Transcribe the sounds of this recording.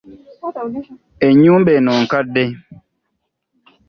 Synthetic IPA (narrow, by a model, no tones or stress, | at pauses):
eɲumbenɔŋ̩kade